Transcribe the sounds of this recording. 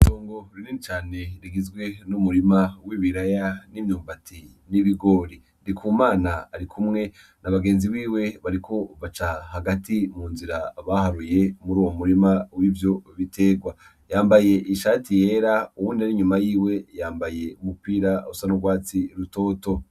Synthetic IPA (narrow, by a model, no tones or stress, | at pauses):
toːŋɡoɾininit͡ʃaːne̞ɾiɡizɡwe̞numuɾimawiβiɾajanimɲuːmbatʰi | niβiɡo̞ːɾi | dikʰuːmaːnaːɾikʰumŋe̞ | naβaɡe̞ːnziβiːwe̞βaɾikʰo̞βat͡ʃahaɡatimuːnziɾaβahaɾuje̞muɾuːwo̞muɾimawiːvjo̞βitʰe̞ːɡwa | jaːmbaje̞ʔiʃaːtʰije̞ːɾauwuːndiaɾiɲumajiːwe̞jaːmbaje̞umupiːɾausanoɡwaːt͡siɾuto̞ːto̞